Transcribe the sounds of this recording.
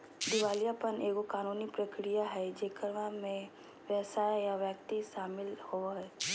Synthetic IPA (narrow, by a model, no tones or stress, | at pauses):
d̪ɪʋaːlijapəneːɡokaːnuːnipɾəkɾijaɦɛd͡ʒeːkəɾʋamẽ | ʋjəsaːjjaʋjək̚t̪iʃaːmɪlhoɦɛ